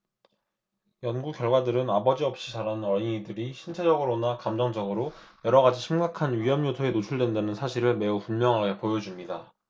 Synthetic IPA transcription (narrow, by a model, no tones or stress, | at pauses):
jʌnɡukk͈jʌɭɡwadɯɾɯnabʌd͡ʑiʌp̚ɕ͈it͡ɕaɾanɯnʌɾiŋidɯɾiɕʰint͡ɕʰe̞d͡ʑʌɡɯɾonakamd͡ʑʌŋd͡ʑʌɡɯɾojʌɾʌɡad͡ʑiɕʰimɡakʰanɥijʌmjotʰoe̞not͡ɕʰuɭdwe̞ndanɯnsʰaɕʰiɾɯɭme̞upunmjʌŋɦaɡe̞pojʌd͡ʑumɲida